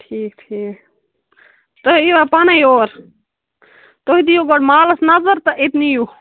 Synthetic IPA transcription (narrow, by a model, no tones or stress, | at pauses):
ʈʰiːkt̪ʰi | t̪oiʋapanajoːɾ | t̪oɦid̪ijoɡoɽmaːləsnazəɾt̪əʔet̪niju